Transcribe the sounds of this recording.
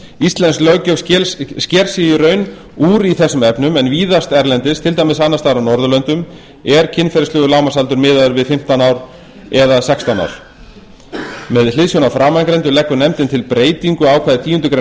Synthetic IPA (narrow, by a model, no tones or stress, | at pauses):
ist̪lɛnsklœcœvscɛɾ̥sijʏɾœɥn | uːɾiθɛsːʏmɛpnʏmɛnviːðast̪ɛɾlɛnt̪ɪst̪ʰɪlt̪aːjmɪs̬anːast̪aɾawnɔɾðʏlœnt̪ʏm | ɛɾcʰɪnfɛɾɪslʏːɣʏlawmasalt̪ʏɾmɪːðaðʏɾvɪðfɪm̥t̪anawɾ | ɛðasɛkst̪ana̰wɾ̥ | mɛðl̥ɪðsjonafɾaːmajnkɾɛjnt̪̬ʏlɛhkːʏɾnɛmt̪ɪnt̪ʰɪlpɾeːjt̪iŋkʏaːwkʰvaːðɪt̪ʰiːjʏnt̪ʏkɾe